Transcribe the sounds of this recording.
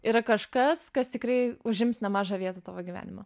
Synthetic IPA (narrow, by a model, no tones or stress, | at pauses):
iːɾɐkɐʃkɐskɐst̪ʲɪkɾɐɪʊʒʲɪmsnʲɛmɑːʒɑːʋʲiɛt̪ɐt̪ɑ̰ːʋoːɡʲiʋʲæ̰ːnʲɪmo